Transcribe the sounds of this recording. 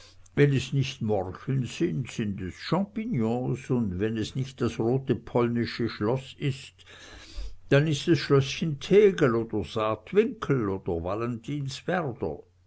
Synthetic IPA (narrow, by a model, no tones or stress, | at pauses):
vɛnɛsnɪçtmɔʁçənzɪntsɪndɛsʃɑ̃pinjɔ̃ːsʊndvɛnɛsnɪçt̚d̥asʁoːtəpʰɔlnɪʃəʃlɔsɪst | d̥anɪstasʃlœsçəntʰɛːɡəl̩oːd̥əz̥aːtvɪŋkʰl̩oːd̥əvalɛəntʰiːnsvɛʁd̥ə̰